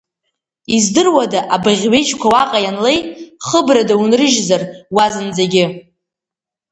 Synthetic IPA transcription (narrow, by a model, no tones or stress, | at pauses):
izdɨrwadaʔabaʁʲɥe̞jt͡ʃkʷʰawaqʼajanle̞jχəbradaunrɨʒzarwazɨnd͡zaɡʲɪ